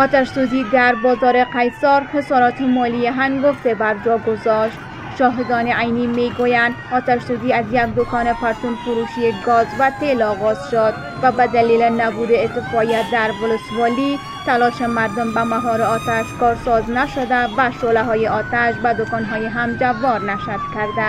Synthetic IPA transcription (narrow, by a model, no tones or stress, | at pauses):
ɔt̪aʃsuzid̪aɾbɒzɔɾeqajsɔɾhesɒɾɔt̪ʰemɔlieɦanɡoft̪ebaɾd͡ʒɔɡozɔʃt̪ | ʃɔɦed̪ɒːneʔajnimeɡojand̪ɒt̪aʃsuziazjak̚d̪okɔnepaɾt̪unfʊɾuʃieɡɔzvat̪elɒɣɔz̥ʃod̪ | vabad̪ælilenabud̪ekɪfɔjad̪aɾvolʊsʋɒli | t̪alɔːʃemaɾd̪ombamaɦɔːɾeɒt̪aʃkɒɾsɒznaʃod̪avaʃolaɦɔːjeʔɒt̪aʃbad̪okɒnɦɔjeɦamd͡ʒavːɔɾnaʃat̪kaɾd̪a